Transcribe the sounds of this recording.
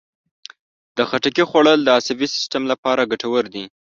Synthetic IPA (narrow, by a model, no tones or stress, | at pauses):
d̪̥əxaʈakixwaɽəld̪əasabisɪ̥stamlapɑɾaɡaʈawəɾd̪i